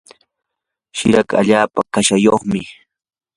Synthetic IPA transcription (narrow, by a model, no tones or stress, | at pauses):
ʃɪɾaka̰ʎaːpakaʃajoχmɪ